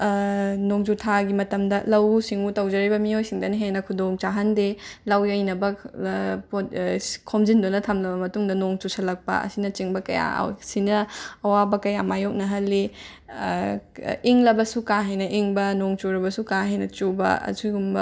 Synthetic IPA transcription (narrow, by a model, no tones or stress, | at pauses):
noŋd͡ʒutʰaɡimɐtɐmdɐlɐwsiŋutɐwd͡ʒɐɾibɐmiojsiŋdɐniɦenɐkʰudoŋt͡ʃaɦɐndelɐwjɐjnɐbɐ | pokʰomzindunɐtʰɐmlɐbɐmɐtuŋdɐnoŋt͡ʃusʰɐlɐk̚pɐ̰ɐ̰sinɐt͡ʃiŋbɐkɐja̰sinɐːwabɐkɐjamajok̚nɐɦɐlːi | iŋlɐbɐsukaɦɐjnɐʔiŋbɐnoŋt͡ʃuɾɐbɐsukaɦɐjnɐt͡ʃubɐ̰ɐ̰suɡumbɐ